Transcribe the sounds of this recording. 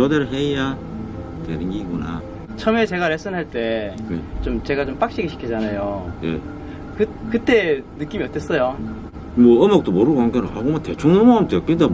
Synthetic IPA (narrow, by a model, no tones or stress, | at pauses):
ʌdeɾɯɦeja | tḛnɯɡiɡuna̰ | t͡ɕʰʌme̞t͡ɕe̞ɡaɾes͈ʰɯnɦaɭt͈e̞jet͡ɕomt͡ɕe̞ɡat͡ɕomp͈ak̚ɕ͈iɡiɕʰi̥kʰid͡ʑanajojḛ | kɯkɯt͈e̞nɯk͈imiʌt͈es͈ʌjo | mʌɯmak̚t͈omoɾɯɡaŋɡeɾohaɡomatet͡ɕʰoŋnomoamt͈ekɯnda